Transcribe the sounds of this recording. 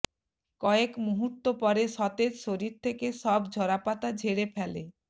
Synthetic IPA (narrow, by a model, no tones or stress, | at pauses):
kɔekmuɦut̪ːopɔɾeʃɔt̪ed͡ʑʃoɾiɾt̪ʰekeʃɔbd͡ʑʱɔɾapat̪ad͡ʑʱeɽefʰɛlḛ